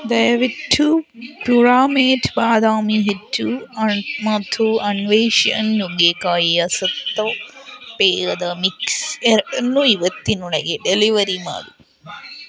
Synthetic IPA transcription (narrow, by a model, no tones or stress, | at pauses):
d̪ɐjɐʋiʈʰːupɾuɾaːmeːʈʰbaːd̪aːmiɦeʈːu | mɐt̪ʰuɐnʋeːʃɐ̰njuɡeːkaːjiɐsɐt̪ːɐpeːɾɐd̪ɐmikseɾɐnːuiʋɐt̪ːinuɭɐɡeɖeliʋɐɾima̰ːd̪u